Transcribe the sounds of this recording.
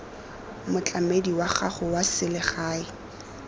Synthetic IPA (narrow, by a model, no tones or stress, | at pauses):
mʊt͡ɬʼamediwaχaχʊwasɪlɪχaːɪ